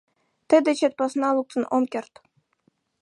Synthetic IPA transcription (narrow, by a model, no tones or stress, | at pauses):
t̪ɘ̆d̪ɘ̆t͡ɕĕt̪̚ʲpɑ̆snɑlˠuk̚sɤ̆nomkʲĕrt̪